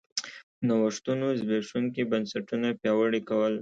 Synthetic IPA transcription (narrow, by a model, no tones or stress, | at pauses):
nawəʂt̪unozbeʂuŋkibansaʈunapjɑwəɽikawəl